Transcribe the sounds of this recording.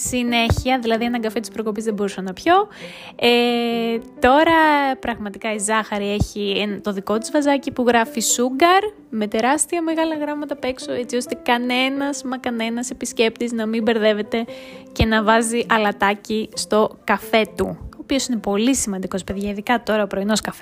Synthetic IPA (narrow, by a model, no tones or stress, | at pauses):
sine̞çiɐðilɐðie̞nɐɡɐfe̞t̪i̥spɾo̞ko̞pizðebo̞ɾusɐnɐpço̞ | e | t̪o̞ɾɐpɾɐɣmɐt̪ikɐizɐxɐɾie̞çient̪o̞ðiko̞t̪izvɐzɐcipuɣɾɐfisuɡɐɾ | me̞t̪e̞ɾɐst̪iɐme̞ɣɐlɐɣɾɐmɐt̪ɐpe̞ksoe̞t͡sio̞st̪e̞kɐne̞nɐzmɐkɐne̞nɐse̞pisce̞p̚t̪iznɐmimbe̞ɾðe̞ve̞t̪e̞ce̞nɐvɐziʔɐlɐt̪ɐcist̪o̞kɐfe̞t̪ṵoːpio̞sine̞po̞lisimɐnd̪iko̞spe̞ðʝɐiðikɐt̪o̞ɾɐopɾo̞ino̞skɐf